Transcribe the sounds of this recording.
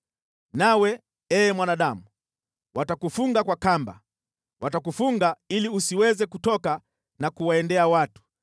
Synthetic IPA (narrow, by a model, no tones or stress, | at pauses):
nawɛ | ɛːmwanaɗamu | watakufuŋɡakwakamba̰ | watakufuŋɡailiusiwɛzɛkutɔka | nakuwaɛndɛawatu̥